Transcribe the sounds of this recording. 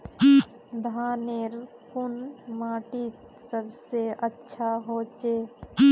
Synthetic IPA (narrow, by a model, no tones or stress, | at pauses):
d̪ʱaːneɾ | kʊnmaːʈit̪ | səbseətːʃʰaɦoːt͡ʃe